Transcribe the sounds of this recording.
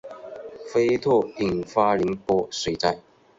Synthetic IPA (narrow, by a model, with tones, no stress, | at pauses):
fe˥ɪt̪ʰɔ˥˩i˨˩ŋfa˦˥li˧˥ŋpɔ˥swe˧˥t͡sa˥˩ɪ